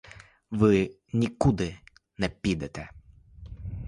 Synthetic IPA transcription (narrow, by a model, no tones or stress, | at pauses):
ʋɪ | nʲikud̪ɪ | nɛpʲid̪ɛt̪ɛ